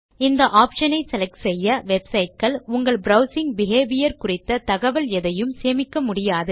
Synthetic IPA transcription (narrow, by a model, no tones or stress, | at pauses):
ɪnd̪ɐʔaːpʂɐnɐɪsɛlɐksɛjːɐʋɛbsɐɪʈ̚kɐɭʊŋɡɐɭbɾɐʊsɪŋbɪɣeːʋɪjɐɾkʊrɪt̪ːɐt̪ɐɣɐʋɐlɛðɐjɯmseːmɪkːɐmʊɽɪjaːðɯ